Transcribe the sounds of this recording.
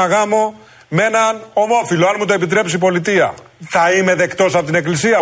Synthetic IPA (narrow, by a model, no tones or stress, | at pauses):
ɐɣɐmo̞ | me̞nɐno̞mo̞filo̞ɐnmut̪oepit̪ɾe̞psipo̞lit̪iɐ̰ | θɐime̞ðe̞kt̪o̞sɐpot̪ine̞klisiɐ